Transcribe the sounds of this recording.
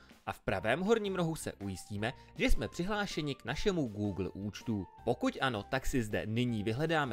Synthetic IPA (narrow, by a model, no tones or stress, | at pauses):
ʔafpɾa̰vɛːmɦo̞ɾɲiːmɾo̞ɦusɛ̰ʔujɪsciːmɛ | ʒɛsmɛpr̥ɪɦlaːʃɛɲɪknaʃɛmuɡuːɡl̩ʔuːt͡ʃt̪upo̞kucʔano̞t̪aksɪzdɛ̰nɪɲiːvɪɦlɛdaːmɛ